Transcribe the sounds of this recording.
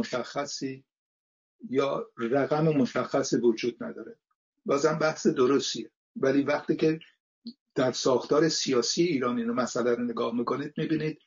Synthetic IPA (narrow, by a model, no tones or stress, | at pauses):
oʃæxːæsiː | jɒːræɣæmemoʃæxːæsivod͡ʒuːd̪̚næd̪ɒːɾe | bɒːzhæmbæhse̞d̪oɾost̪ie | væliːvæχt̪iːcʰe̞ | d̪̥æɾsɒːxt̪ɒːɾe̞sijɒːsijeiːɾɒːniːnomæsælæɾneɡɒːhmiko̞niːd̪̚mibiːniːd̪̥̚